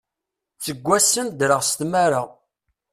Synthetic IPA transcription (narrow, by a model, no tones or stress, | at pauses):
t͡sːəɡʷːæsːənd̪ɾəʁst̪maɾəʁ